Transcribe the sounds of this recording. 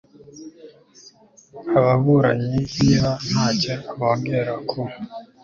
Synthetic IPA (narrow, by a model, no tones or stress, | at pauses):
aβaβuɾaɲiβihan̥aːceaβoːŋɡeɾakʰo